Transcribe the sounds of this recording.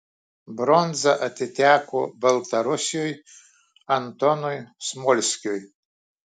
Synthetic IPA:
bɾonzaʔat̪ʰetʲʰakʷʰʊ̰bɐlt̪ʰaɾosʲjoj | ant̪ʰonujsmolʲskʲʼoj

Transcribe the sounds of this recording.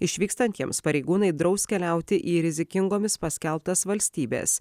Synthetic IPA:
ɪʃʲʋʲiːkst̪ɐnʲt̪ʲiɛmspɐɾʲɛɪɡuːnɐɪd̪ɾɒʊskʲɛlʲɛˑʊt̪ʲɪʔiːɾʲɪzʲɪkʲɪŋɡoːmʲɪspɐsʲkʲɛlˠpt̪ɐsʋɐlʲsʲt̪ʲiːbʲḛːs

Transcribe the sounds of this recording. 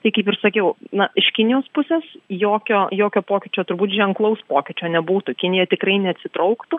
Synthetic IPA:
t̪ɐɪkɐɪpɪrsɐkʲɛʊnɐɪʃkʲɪnʲɪjoːspʊsʲɛsjoːkʲoːjoːkʲoːpoːkʲɪt͡ʃʲoːt̪ʊɾbuːt̪ʒʲɛŋklˠɐʊspoːkʲɪt͡ʃʲoːnʲɛbuːt̪ʊkʲɪnʲɪjɛt̪ʲɪkɾɐɪnʲɛɐt̪ʲsʲɪt̪ɾɐʊkt̪u

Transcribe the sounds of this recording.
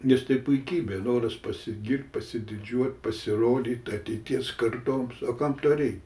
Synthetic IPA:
nʲɛst̪ɐɪpʊɪkʲiːbʲeːnoːɾɐspɐsʲɪɡʲɪrʲt̪̚ʲpɐsʲɪd̪ʲɪd͡ʒʲuɔt̪̚ʲpɐsʲɪroːd̪ʲiːt̪ʲɐt̪ʲɛɪt̪ʲiɛskɐrt̪oːmsoːkɑmt̪oːrʲɛɪtʲ

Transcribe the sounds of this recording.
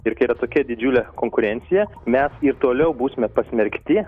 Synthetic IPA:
ɪɾkɐɪiːɾɐt̪oːkʲɛd̪ʲɪd͡ʒʲuːlʲɛkoːŋkʊɾʲɛnʲt̪sʲɪjɛmʲɛsɪɾt̪oːlʲɛʊbuːsʲɪmʲɛpɐsʲmʲɛɾʲkt̪ʲɪ

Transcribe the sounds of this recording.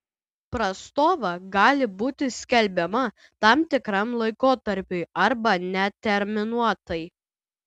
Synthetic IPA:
pɾɐst̪oːʋɐɡɑːlʲɪbuːt̪ʲɪsʲkʲɛlʲbʲɛmɐ | t̪ɐmt̪ʲɪkɾɐmlˠɐɪkoːt̪ɐɾʲpʲʊɪɐɾbɐnʲɛt̪ʲɛɾʲmʲɪnuɔt̪ɐj

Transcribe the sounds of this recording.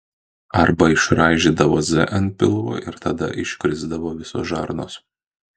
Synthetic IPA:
ɐɾbɐɪʃɾɑːʒʲiːd̪ɐʋoːzʲɛ̰ʔɐnpʲɪlˠʋo̰ːʔɪɾt̪ɐd̪ɐ̰ʔɪʃʲkʲɾʲɪzd̪ɐʋoːʋʲɪso̰ːsʒɑ̰ɾno̰ːs

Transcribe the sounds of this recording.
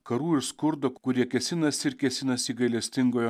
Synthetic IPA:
kɐɾuːɪɾskʊɾd̪oːkʊɾʲiɛkʲɛsʲɪnɐsɪɾkʲɛsʲɪnɐsiːɡɐɪlʲɛsʲt̪ʲɪŋɡoːjo

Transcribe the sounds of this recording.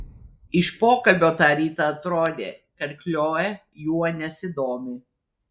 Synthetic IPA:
ɪʃpoːkɐlʲbʲoːt̪ɑːɾʲiːt̪ɑɐt̪ɾoːd̪ʲḛːkɐɾʲkʲlʲoːjɛ | juɔnʲɛsʲɪd̪oːmʲuː

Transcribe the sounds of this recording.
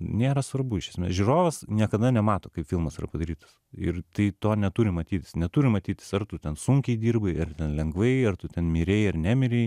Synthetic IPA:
nʲeːɾɐsʋɐrbʊɪʃʲɛsʲmʲeːsʒʲuroːʋɐsnʲiɛkɐd̪ɐnʲɛmɑːt̪oːkɐɪpfʲɪlˠmɐsɪrɐ̰pɐd̪ɐɾʲiːt̪ɐ̥sɪrt̪ɐɪt̪oːnʲɛt̪uːɾʲɪmɐt̪ʲiːt̪ʲɪ̥snʲɛt̪uːɾʲɪmɐt̪ʲiːt̪ʲɪ̥sɐrt̪ʊt̪ʲɛnsʊŋʲkʲɛɪd̪ʲiːrbɐɪɐrt̪ʲɛnlʲɛŋɡʋɐɪɐrt̪ʊtʲɛnmʲiɾʲeːɪɐrnʲæːmʲɪɾʲɛɪ

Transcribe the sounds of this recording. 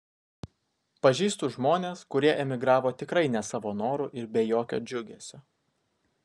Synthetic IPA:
pɐʒʲiːst̪ʊʒmoːnʲeːskʊɾʲiɛʔɛmʲɪɡɾɑːʋoːt̪ʲɪkɾɐɪnʲɛsɐʋoːnoːɾuʔɪɾbʲɛjoːkʲo̰ːd͡ʒʲʊɡʲɛːsʲoː

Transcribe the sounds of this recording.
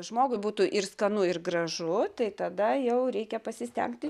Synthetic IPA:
ʒmoːɡʊɪbuːt̪uːʔɪrskɐnʊɪrɡrɐʒʊt̪ɐɪt̪ɐd̪ɐjɛʊɾʲɛɪkʲɛpɐsʲɪsʲt̪ʲɛ̰ŋkt̪ʲɪ

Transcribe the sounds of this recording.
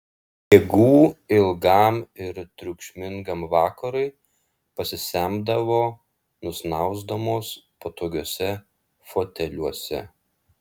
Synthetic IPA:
jeɡuːɪlˠɡɐˑmɪɾt̪ʲɾʲʊkʃʲmʲɪŋɡɐmʋɑːkɐɾʊɪ | pɐsʲɪsʲæmbd̪ɐʋoː | nʊsnɐˑʊzd̪ɐmoːspot̪oːɡʲoːsʲɛ | foːt̪ʲɛlʲuɔsʲɛ̰

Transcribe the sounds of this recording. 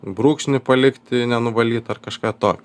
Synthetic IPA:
bɾuːkʃʲnʲɪpɐlʲɪkt̪ʲɪnʲɛnʊʋɐlʲiːt̪ɐrkɐʃkɑːt̪oːkʲ

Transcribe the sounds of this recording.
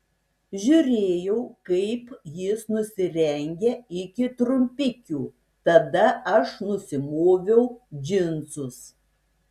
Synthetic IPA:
ʒʲʊɾʲeːjɛʊkɐɪpjɪsnʊsʲɪɾʲɛŋʲɡʲɛɪkʲɪt̪ɾʊmʲpʲɪkʲuː | t̪ɐd̪ɐɐʃnʊsʲɪmoːʋʲɛʊd͡ʒʲɪnt̪sʊs

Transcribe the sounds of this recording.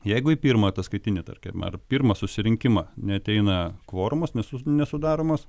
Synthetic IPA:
jɛɪɡʊipʲiːɾmɐt̪ɐskɐɪt̪ʲɪnʲɪt̪ɐ̰rʲkʲɛɐ̰rpʲiːrmɐsʊsʲɪɾʲɪŋʲkʲɪmɐːnʲɛɐt̪ʲɛɪnɐkʋoːɾʊmosnʲɛsʊnʲɛsʊd̪ɑːɾomoːs

